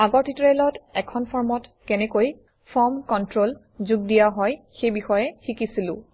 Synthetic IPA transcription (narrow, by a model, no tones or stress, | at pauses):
aɡɔɹtitɹelɔtɛkʰɔnpʰɔɹmɔtkɛnɛkoj | pʰɔɹmkɔntɹol | zuɡ̚dijaɦɔjxejbixɔjɛxikisilʊ̰̃